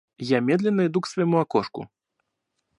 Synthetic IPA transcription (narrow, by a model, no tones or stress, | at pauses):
jamʲɛd̪lʲɛnːɐid̪uksvɐjmuakɔʂkṵ